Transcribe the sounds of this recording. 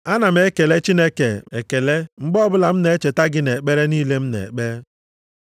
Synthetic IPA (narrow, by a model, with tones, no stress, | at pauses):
a˦na˨m̩e˦ke˨le˦t͡ʃi˦ne˦ke˨e˨ke˨le˦ŋ͡m̩˦ɡ͡bɔ˦bʊ˦la˨m̩˦ne˨˦e˦t͡ʃe˨ta˦ɡɪ˦ne˨k͡pe˦ɾe˦niː˦le˦m̩˦nḛ˨k͡pe˦ɾ